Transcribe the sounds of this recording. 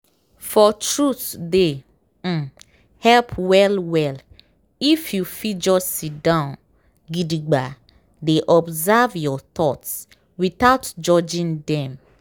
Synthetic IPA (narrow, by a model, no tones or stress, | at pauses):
fɔtɹuθde | hɛlpʰwɛlwɛl | ifjufid͡ʒɔsit̚dãʊ̃n | ɡidiɡ͡ba | deʔɔbzavjɔt̪ɔts | wiθaʊtd͡ʒɔd͡ʒĩŋdɛ̃m